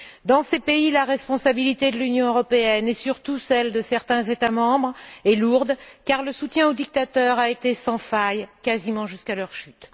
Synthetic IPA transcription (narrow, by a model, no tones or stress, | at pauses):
d̪ɑ̃sepeilaʁɛspɔ̃sabilit̪ed̪əlynjɔ̃øʁɔpeɛnɛsyʁt̪usɛld̪əsɛʁt̪ɛ̃zet̪amɑ̃bʁɛluʁd̪kaʁləsut̪jɛ̃od̪ik̚t̪at̪œʁaet̪esɑ̃fajkʲazimɑ̃ʒyskalœʁʃyt̪